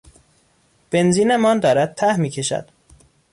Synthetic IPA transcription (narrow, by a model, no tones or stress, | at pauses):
b̥enziːnemɒːnd̪ɒːɾæd̪̥̚t̪ʰæhmiːcʰe̞ʃæ̰d̪̥